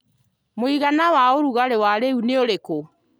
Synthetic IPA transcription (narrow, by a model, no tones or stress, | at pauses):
moiɣanawaoɾuɣaɾewaɾeuneoɾeko